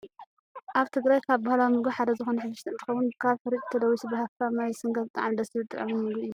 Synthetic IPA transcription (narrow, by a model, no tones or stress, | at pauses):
ʔaβt̪ʰɨɡɾajkʰaβbahlawmɨɡuħad̪ɐzɨxonɐħɨd̪ːɨʃt̪ʰɐnt̪ʰɨ̥xɐwːʊnkʰaβfɨɾit͡ʃʼt̪ʰɐd̪ɐwisɨbɐhafkʰamajsɨŋɡɐt̪ʼa̰ʕamd̪ɐsɨbɨt̪ʼɨ̰ʕɐmunmɨɡuɨjːu